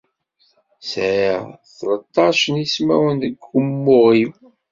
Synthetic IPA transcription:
sʕaθlət̪ˤːɑʃənismæ̰wənðəɡːəmːʊʁim

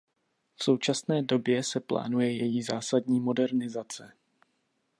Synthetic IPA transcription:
fso̞wt͡ʃasnɛːdo̞bjɛsɛpla̰ːnujɛjɛjiːzaːsadɲiːmo̞dɛɾnɪzat͡sɛ

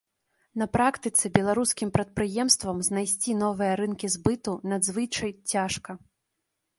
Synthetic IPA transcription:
nɐpɾakt̪ɨt̪sɨbʲɛlˠaɾuskʲimpɾɐt̪̚pɾɨjɛmst̪vɐmznajsʲt͡sʲinɔvɨjɐɾɨnkʲizbɨt̪unɐd̪zvɨt͡ʂɐjt͡sʲaʂkɐ

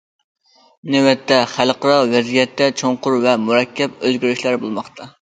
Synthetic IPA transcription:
nɪwɛt̪ʰːɛχælqʰəɾɑvɛzijɛt̪ʰːɛt͡ʃʰoŋqʊɾvɛmuɾɛkʲʰːɛp̚øzɡʲyɾyʃlæɾbolˠmɑχt̪ʰɑ

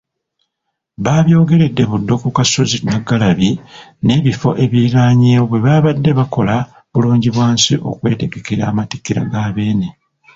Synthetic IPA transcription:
βaβjo̞ːɡe̞ɾe̞dːe̞βudːo̞kukasozinaɡːalaβine̞ːβifo̞̰ʔe̞βiɾaːɲeːwoβwe̞βaβadːe̞βako̞la | βuluːɲɟiβwaːnsiʔo̞̰kwe̞ːte̞ɡe̞ke̞ɾa̰ːmati̥kːiɾa̰ɡaːβe̞ːne

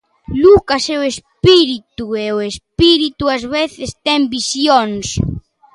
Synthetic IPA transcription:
lukaseʊespiɾit̪ueʊespiɾit̪uazβeθɪst̪ɛmbisjoŋs

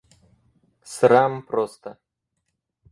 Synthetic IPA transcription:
sɾampɾost̪ə

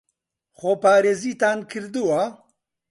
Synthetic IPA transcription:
xopaːɾeːziːt̪aːnkʰɨɾd̪ɨwa

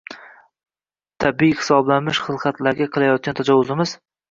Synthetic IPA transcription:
t̪ʰabijhɪ̥sɒblanmɪʃχɨlˠqʰɑt̪laɾɡʲaqʰɨlˠajɒt̪̚kʲant̪ʰad͡ʒɒwːʊzɪmɪz

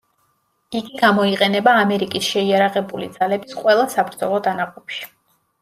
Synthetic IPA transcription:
iɡiɡamɔiqʼɛnɛbaːmɛɾikʼisʃɛiaɾaʁɛbulid̪z̥alɛbisqʼwɛlˠasabɾd̪zɔlˠɔd̪anaqʼɔpʃi̥

